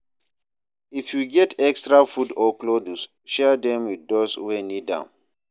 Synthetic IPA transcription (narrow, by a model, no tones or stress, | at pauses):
ifjuɡɛtʰɛkstɹafudɔklodus | ʃɛdɛ̃mwiθdɔswenidã̰n